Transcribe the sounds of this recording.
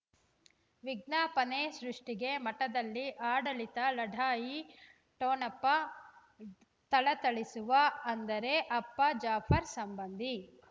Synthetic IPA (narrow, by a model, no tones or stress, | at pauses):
ʋiɡnaːpɐneːsɾuʂʈiɡe̞mɐʈɐd̪ɐlːiʔaːɽɐɭit̪ɐlɐɖʱaːji | ʈoːnɐpːɐ | t̪ɐɭɐt̪ɐɭisuʋɐɐnd̪ɐɾe̞ʔɐpːɐd͡ʒaːpʰɐɾsɐmbɐnd̪ʱi